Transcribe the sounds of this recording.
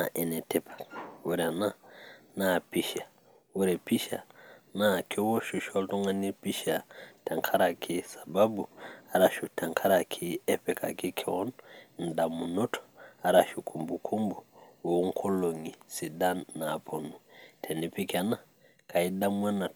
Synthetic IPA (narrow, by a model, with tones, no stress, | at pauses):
na˨ʔɛ˨ne˨te˦pḁwu˦ɾa˨na˦na˦˨pi˦ʃa˨ | wu˦ɾe˨pi˦ʃa̰˨na˨ki˦wo˦ʃu˨ʃo˦lto˦ŋa˦ni˦pi˦ʃa˨ta˨ŋkʰa˦ɾa˨kʰi˦sa˨ba˦bu˨a˨ɾa˨ʃu˨ta˨ŋkʰa˦ɾa˨kʰi˦ɛ˦pe˨ka̰˨ki˦kʰe˦wo˦nn̩˨da˨mu˨no˦tʰo̥a˨ɾa˨ʃu˨kʰu˨mbu˨kʰu˦mbu˨wo˨˦ŋ̩˦kʰo˦lo˨ŋi˨si˨da˦nːa˨pʰo˨nu˨tʰe˨ni˨pi˦ka˨na˦ | kʰa˨i˦da˦m˦a˦na˨